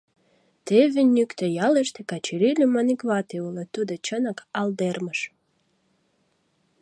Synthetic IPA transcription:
t̪eβenʲykt̪ejɑleʃt̪ekɑt͡ɕiɾilʲumɑnikvɑt̪eulet̪ud̪ŏt͡ɕənɑkɑld̪erməʃ

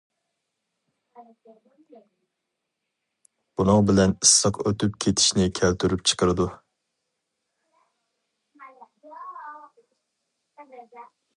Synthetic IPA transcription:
b̥unɨŋbɪlɛnisːɑqøt̪yp̚kʲʰet̪ʰɪ̥ʃnɪkʲʰælt̪ʰyɾyp̚t͡ʃʰə̥qʰəɾɨd̪u

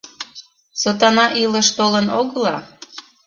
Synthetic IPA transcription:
sot̪ɑnɑʔiləʃt̪olənoɣəlɑ

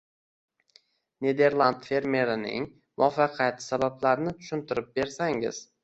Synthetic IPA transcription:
ne̞d̪e̞ɾlˠand̪fe̞ɾme̞ɾɪnɪ̰ŋ | mʊɒfɑqʰjat̪sabablaɾnɪt̪ʰʊ̥ʃɪnt̪ʰɪɾɪp̚be̞ɾsaŋɪ̰z̥

